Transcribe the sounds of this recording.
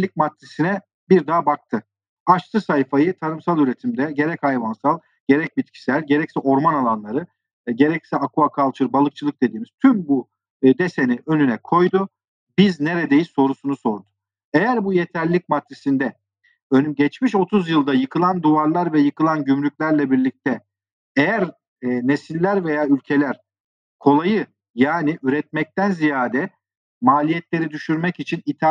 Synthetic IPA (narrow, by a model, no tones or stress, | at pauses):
lʲic̚mat̪ːisinɛ | biɾd̪abak̚t̪ʰɯ | aʃt̪ʰˠɯsajfajɯt̪ʰanɯmsalˠyɾet̪ʰimd̪ɛɟe̞ɾɛchajvansalˠ | ɟe̞ɾɛc̚bit̪̚cʰi̥sæɾɟe̞ɾɛcsɛʔo̞ɾmanalˠanlˠaɾɯ | ɟe̞ɾɛcsɛakʰuakʰalˠt͡ʃʰɯɾbalˠɯk̚t͡ʃʰɯlˠɯk̚d̪e̞d̪iːmiz̥t̪ʰymbu | d̪eseniʔønynɛkʰo̞jd̪u | bizne̞ɾed̪e̞jiso̞ɾusunuso̞ɾd̪ʊ̥ | ejæɾbujet̪ʰæɾlʲic̚mat̪ɾisind̪ɛ | ønyɟɛt͡ʃmiʃo̞t̪ʰuzjɯlˠd̪ajɯkʰɯlˠand̪uvaɾlˠaɾvɛjɯkʰɯlˠanɟymlʲycʲlʲæɾlʲɛbiɾlʲic̚t̪ʰɛ | ejæɾ | nesilʲːæɾve̞jaːylʲcʰe̞lʲæɾ̥ | kʰo̞lˠajɯ | jaːniʔyɾɛt̪̚mɛc̚t̪ænzijaːd̪ɛ | maːlʲijɛt̪lʲe̞ɾid̪yʃyɾmɛcit͡ʃʰinit̪ʰa